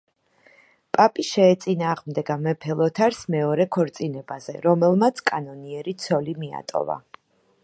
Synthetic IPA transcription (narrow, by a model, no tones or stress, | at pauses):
pʼapʼiʃɛːt̪sʼinaːʁmd̪ɛɡamɛpʰɛlˠɔt̪ʰaɾsmɛɔɾɛkʰɔɾt̪sʼinɛbazɛ̰ɾɔmɛlˠmat̪sʰkʼanɔniɛɾit̪sʰɔlimia̰t̪ʼɔ̰va̰